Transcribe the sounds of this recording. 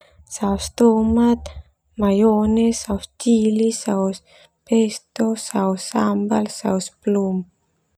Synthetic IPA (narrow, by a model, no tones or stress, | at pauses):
sawst̪omat̪ | majonesawst͡ʃilisaus | pest̪osawsambalsa̰wsplum